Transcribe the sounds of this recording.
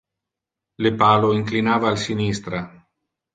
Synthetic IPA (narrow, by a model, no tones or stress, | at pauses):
lepaːloiŋklinaːvaːlsinist̪ɾa